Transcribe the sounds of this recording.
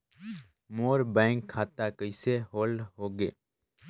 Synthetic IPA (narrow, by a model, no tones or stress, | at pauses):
moːɾbɛ̃ːŋkʰːaːt̪aːkəɪseːɦoːlɦoːɡeː